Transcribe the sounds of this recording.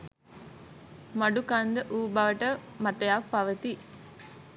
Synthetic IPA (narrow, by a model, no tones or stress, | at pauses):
mɐɖukɐnd̪əʔuːbɐʋɐʈəmɐʈ̪ɐjaːk̚pɐʋət̪i